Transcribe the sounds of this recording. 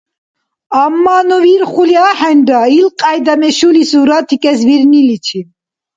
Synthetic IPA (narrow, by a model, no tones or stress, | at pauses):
amːanɔviɾχuliaħɛndailqʼajd̪amɛʃulisuɾat̪ʰikʼɛs̬viɾnilit͡ʃʰi